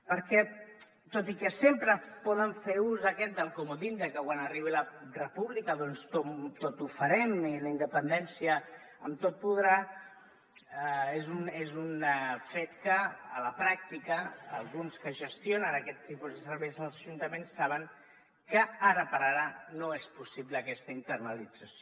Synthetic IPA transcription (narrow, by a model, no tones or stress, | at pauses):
pəɾkɛ | t̪ot̪ikəsempɾəpɔðəɱfeuzðəkɛt̪̚d̪əlˠkomud̪ind̪əkəkwanəriβ̞ilərəpuβlikəðɔnst̪ot̪ot̪ufəɾɛmiləind̪əpənd̪ɛnsijə | ə̰mt̪ot̪̚puðɾa | ezunezunfet̪kə̰ːləpɾak̚t̪ikə̰ːlˠɣunskəʒəst̪jonənəkɛt̪ipuzðəsəɾβɛjznəlˠzəʒunt̪əmensːaβ̞əŋ | kəaɾəpəɾaɾənoespusiβləːkɛst̪əint̪əɾnəlid͡zəsjo